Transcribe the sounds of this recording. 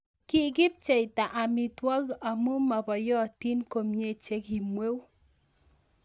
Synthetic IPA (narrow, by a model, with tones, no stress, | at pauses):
ki˦ɡɪ˦p̚t͡ʃe˨jta˨ʔa˨mi˨twa˦ɣa˨mo˦ma˨bɔ˨jɔ˦˨ti˦nko˨mɲe˦˨t͡ʃe˦ki˨mwe˦w